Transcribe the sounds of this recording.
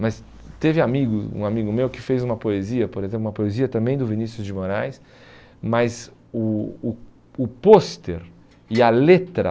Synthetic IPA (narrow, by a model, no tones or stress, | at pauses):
mɐs | t̪evɪamiɡʊṵ̃amiɡʊmewkɪfejzũmɐpoeziɐpoɾezẽplũmɐpoeziɐt̪ɐ̃mbẽj̃d̪ʊvinisjʊzd͡ʒɪmoɾajs | mɐz | ʊː | ʊpost̪eɾ | ɪɐlet̪ɾɐ̰